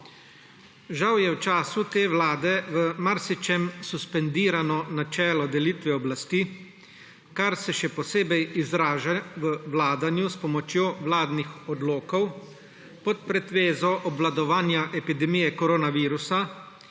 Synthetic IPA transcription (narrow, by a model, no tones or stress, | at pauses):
ʒawjɛwt͡ʃaːsut̪eːʋlaːd̪ɛʋəmaɾsit͡ʃɛmsuspɛnd̪iːɾanɔnat͡ʃɛːlɔd̪ɛliːt̪ʋɛɔblast̪iː | kaɾsɛʃɛpɔseːbɛjizɾaːʒaʋəʋlaːd̪anjuspɔmɔt͡ʃjoːʋlaːd̪nixɔd̪loːkɔw | pɔt̪̚pɾɛt̪ʋeːzɔʔɔbʋlad̪ɔʋaːnjaʔɛpid̪ɛmijɛkɔɾoːnaʋiːɾusa